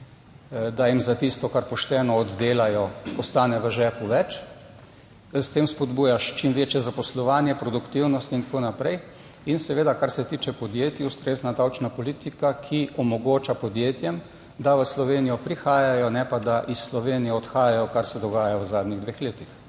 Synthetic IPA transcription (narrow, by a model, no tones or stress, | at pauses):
d̪ajimzat̪ist̪ɔkaɾpɔʃt̪ɛːnɔːd̪ːeːlajɔɔst̪aːnɛʋəʒɛːpuʋɛt͡ʃ | st̪eːmspɔd̪buːjaʃt͡ʃimʋeːt͡ʃjɛzapɔslɔʋaːnjɛpɾɔd̪ukt̪iwnɔst̪int̪ḁkonapɾɛj | insɛʋeːd̪akaɾsɛt̪iːt͡ʃɛpɔd̪jeːt̪iust̪ɾeːznad̪awt͡ʃnapɔliːt̪ikakʰiʔɔmɔɡoːt͡ʃapɔd̪jeːt̪jɛm | d̪aʋəslɔʋeːnijɔpɾixaːjajɔnɛpad̪aʔisːlɔʋeːnijɛɔt̪xaːjajɔkaɾsɛd̪ɔɡaːjaəzaːd̪nʲiɣd̪ʋeːxleːt̪ix